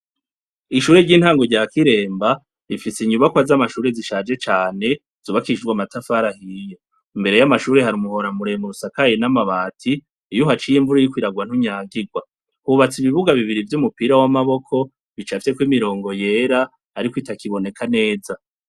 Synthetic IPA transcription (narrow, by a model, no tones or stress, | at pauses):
iʃuːɾeɾɟiːn̥haːŋɡoɾɟaːkiɾe̞ːmba | ɾifiseɲuβakwazamaʃuːɾe̞ziʃaːd͡ʒe̞t͡ʃaːne̞ | z̥uβakid͡ʒɡwamatafaːɾahijo̞ | imbe̞ɾe̞jamaʃuːɾe̞haɾiumuho̞ɾamuɾemuɾusakajenamaβaːtʰiː | juɦat͡ʃijiɱvuɾojikwiːɾaɡwan̥huɲaːɡiɡwa | huβat͡siβiβuɡaβiβiɾivjumupiːɾawamaβo̞kʰo̞ | βit͡ʃafje̞kwimiɾo̞ːŋɡo̞je̞ɾaː | ɾikwitakiβo̞ne̞kʰane̞ːza